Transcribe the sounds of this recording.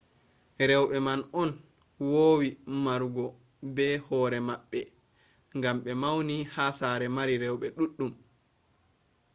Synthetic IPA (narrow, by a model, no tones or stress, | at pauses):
ɾɛwɓɛmanɔn | woːwimaɾuɡɔ | bɛhɔɾɛmaɓːɛ | ŋɡamɓɛmawnihasaːɾɛmaɾiɾɛwɓɛɗuɗːum